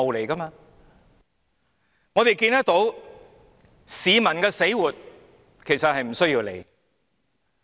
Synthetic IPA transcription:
o˨wle˨˩jkɐ˥maː˧ | ŋɔː˨˧t̪e˨jkiː˧nt̪ɐ˥k̚t̪o˨˥w | siː˨˧mɐ˨˩nkɛː˧se˨˥jwuː˨t̚ | kʰe˨˩jsɐ˨t̚hɐ˨jm̩˨˩sɵ˥ɥjiː˧wle˨˩j

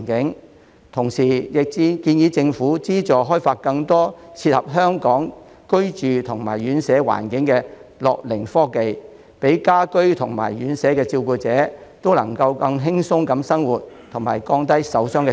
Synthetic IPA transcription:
kɪ˨˥ŋ | t̪ʰʊ˨˩ŋsiː˨˩jɪ˨k̚t͡si˧kiː˧njiː˨˥t͡sɪ˧ŋfuː˨˥t͡siː˥t͡sɔː˨˩ɦɔː˥jfaː˧t̚kɐ˧ŋt̪ɔː˥t͡sʰiː˧t̚hɐ˨p̚ɦœː˥ŋkɔː˨˥ŋ | kɵ˥ɥt͡ʃyː˨t̪ʰʊ˨˩ŋma̰ː˨˩jɥyː˨˥nsɛː˨˥wa̰ː˨˩nkɪ˨˥ŋkɛː˧lɔ̰ː˨k̚lɪ˨˩ŋfɔː˥ke˨j | pe˨˥jkaː˥kɵ˥ɥt̪ʰʊ˨˩ŋma̰ː˨˩jɥyː˨˥nsɛː˨˥kɛː˧t͡siː˧wkuː˧t͡sɛː˨˥t̪o˥wlɐ̰˨˩ŋkɐ˧wkɐ˧ŋɦɪ˥ŋsʊ˥ŋkɐ˨˥msɐ˥ŋwuː˨t̚t̪ʰʊ˨˩ŋmaː˨˩jkɔː˧ŋt̪ɐ˥jsɐ˨˥wsœː˥ŋkː

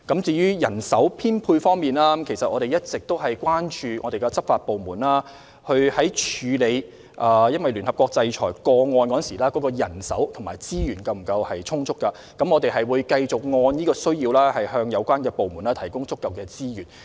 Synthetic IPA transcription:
kɐ˨˥mt͡siː˧jyː˥jɐ˨˩nsɐ˨˥wpʰiː˥npʰuː˧jfɔː˥ŋmiː˨˩nlaː˥˦mkʰe˨˩jsɐ˨t̚ʔɔː˨˧ɾe˨˩jɐ˥t̚t͡sɪ˨k̚t̪o˥wɦɐ˨jkwaː˥nt͡ʃyː˨˧ŋʔɔː˨˧ɾe˨jkɛ˧t͡sɐ˥p̚faː˧t̚po˨wmuː˨˩naː˥ | hɵ˧hɐ˨˥jt͡ʃʰyː˨˧le˨˧j | ʔaː˨jɐ˥nwɐ˨jlyː˨˩nhɐ˨˩pkɔː˧k̚t͡sɐ˧jt͡ʃʰɔ̰ː˨˩jkɔː˧ŋɔː˧nkɔː˨˥nsiː˨˩laː˥kɔː˨˥kɔː˧jɐ˨˩nsɐ̰˨˥wt̪ʰʊ˨˩maː˨˩jt͡siː˥jyː˨˩nkɐ˧wm̩˨˩kɐ˧whɐ˨jt͡sʰʊ˥ŋt͡sʰʊ˥kːɐ˧ | kɐ˨˥mŋɔː˨˧t̪e˨jɦɐ˨jwuː˨˧jkɐ˧jt͡sʊ˨k̚ŋɔː˧njiː˥kɔː˧sɵ˥ɥjiː˧wlɛː˥hɐ˨jhœː˧ŋjɐ˨˧wkʷaː˥nkɛː˧po˨wmuː˨˩naː˥t̪ʰɐ˨˩jkʊ˥ŋt͡sʊ˥kːɐ˨wkɛː˧t͡siː˥jyː˨˩n

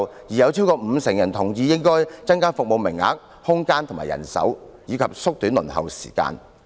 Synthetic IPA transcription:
jiː˨˩jɐ˨˧wt͡sʰiː˥wkɔː˧m̩˨˧sɪ˨˩ŋjɐ˨˩nt̪ʰʊ˨˩ŋjiː˧jɪ˥ŋkɔː˥jt͡sɐ˥nkaː˥fʊ˨k̚mo˨˧wmɪ˨˩ŋːa̰ː˨˥k̚ | hʊ˥ŋkaː˥nt̪ʊ˨˩ma̰ː˨˩jɐ̰˨˩nsɐ̰˨˥wjiː˨˧kʰɐ˨p̚sʊ˥k̚t̪yː˨˥nlɵ̰˨˩nhɐ̰˨wsi̥̰ː˨˩ka̰ː˧n

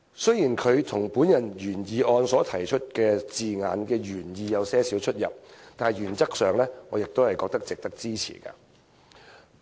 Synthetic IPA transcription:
sɵ˥ɥjiː˨˩nkʰɵ˨˧ɥt̪ʰʊ˨˩ŋpuː˨˥njɐ˨˩njyː˨˩njiː˨ɔː˧nsɔː˨˥t̪ʰɐ˨˩jt͡ʃʰɵ˥t̚kɛː˧t͡siː˨ŋa̰ː˨˧nkɛː˧jyː˨˩njiː˧jɐ˨˧wsɛː˥siː˨˥wt͡ʃʰɵ˥t̚jɐ̰˨p̚t̪aː˨˩jjyː˨˩nt͡sɐ˥k̚sœː˨ŋlɛː˥ŋɔː˨˧jɪ˨k̚t̪o˥hɐ˨jkɔː˧k̚t̪ɐ˥k̚t͡sɪ˨k̚t̪ɐ˥k̚t͡siː˥t͡sʰḭː˨˩kɐ̰ː˧

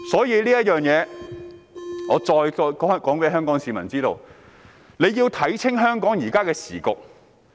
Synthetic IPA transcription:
sɔː˨˥jiː˨˧liː˥jɐ˥t̚jœː˨ŋjɛː˨˧ | ŋɔː˨˧t͡ʃɔː˧jːkːkɔː˨˥ŋpe˨˥ɦœː˥ŋkɔː˨˥ŋsiː˨˧mɐ˨˩nt͡siː˥t̪o˧w | ne˨˧jiː˧wt̪ʰɐ˨˥jt͡sʰɪ˥ŋɦœː˥ŋkɔː˨˥ŋjiː˨˩kaː˥kɛː˧siː˨˩kʊ˨k̚

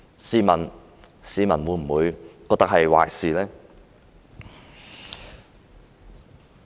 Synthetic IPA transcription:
siː˨˧mɐ˨˩n | siː˨˥mɐ˨˩nwuː˨˧˥jm̩˨˩wuː˨˧jkɔː˧k̚t̪ɐ˥hɐ˨jwa̰ː˨jsiː˨lɛː˥

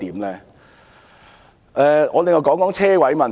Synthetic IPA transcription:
t̪iː˨˥mlɛː˧ | ʔɛː˧ŋɔː˨˧lɪ˨ŋɔ˨˧wkɔː˨˥ŋkɔː˨˥ŋt͡sʰɛː˥wɐ˨˥jmɐ˨n

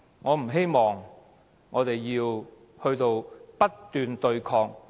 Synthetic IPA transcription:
ŋɔː˨˧m̩˨˩ɦe˥jmɔː˨ŋː | ɔː˨˧t̪e˨jjiː˧w | hɵ˧ɥt̪o˧wpɐ˥tt̪ːyː˨nt̪ɵ˧ɥkʰɔː˧k̚

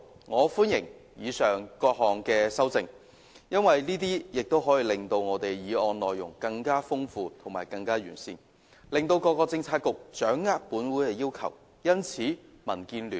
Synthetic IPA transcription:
ŋɔː˨˧fuː˥njɪ˨˩ŋjiː˨˧sœː˨ŋkɔː˧k̚hɔː˨ŋkɛː˧sɐ˥wt͡sɪ˧ŋ | jɐ˥nwɐ˨jniː˥t̪iː˥jɪ˨k̚t̪o˥wɦɔː˨˥jiː˨˧lɪ˨ŋt̪o˧wŋɔː˨˧t̪e˨jjiː˨˧ɔː˧nlɔː˨jjʊ˨˩ŋkɐ˧ŋkaː˥fʊ˥ŋfuː˧t̪ʰʊ˨˩ŋmaː˨˩jkɐ˧ŋkaː˥jy̰ː˨˩nsiː˧n | lɪ˨ŋt̪o˧wkɔː˧kːɔː˧t͡sɪ˧ŋt͡sʰaː˧t̚kʊ˨k̚t͡ʃœː˨˥ŋːaː˥k̚puː˨˥nwuː˨˥jkɛː˧jiː˥wkʰɐ̰˨˩w | jɐ˥nt͡sʰiː˨˥ | mɐ˨˩nkiː˧nlyː˨˩n

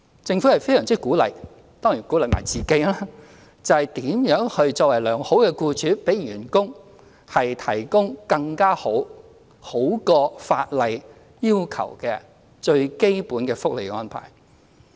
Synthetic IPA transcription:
t͡sɪ˧ŋfu˨˥hɐ˨˩jfe˥jsœː˨ŋt͡siː˥kuː˨˥lɐ̰˨˩j | t̪ɔː˥ŋjiː˨˩nkuː˨˥lɐ˨jma̰˨˩jt͡siː˨ke˨˥jlaː˥ | t͡sɐ˨˧hɐ˨˩jt̪iː˨˥mjœː˨˥ŋhɵ˧ɥt͡ʃɔː˧k̚wɐ˨˩jlœː˨˩ŋho˨˥wkɛː˧kuː˧t͡ʃʰyː˨˥pe˨˥jɥyː˨˩nkʊ˥ŋ | hɐ˨jt̪ʰɐ˨˩jkʊ˥ŋkɐ˧ŋkaː˥ho˨˥w | ho˨˥wkɔː˧faː˧t̚lɐ˨j | jiː˥wkʰɐ̰˨˩wkɛː˧ | t͡ʃɵ˧ɥke˥jpuː˨˥nkɛː˧fʊ˥k̚le˨jkɛ˧ŋɔː˥npʰa̰ː˨˩j

